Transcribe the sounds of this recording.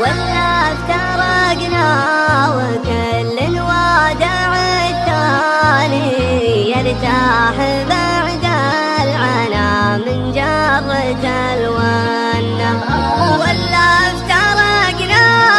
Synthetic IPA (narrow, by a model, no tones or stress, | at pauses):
walːaft̪ɑ | ɾˤɑɡnawakalːɪnwad̪a | ʕa | t̪ːani | jaɾt̪aħɪ | baʕd̪a | lʕanamɪnd͡ʒarˤɑt̪a | lwa | nː | awalːaft̪ɑɾˤɑɡna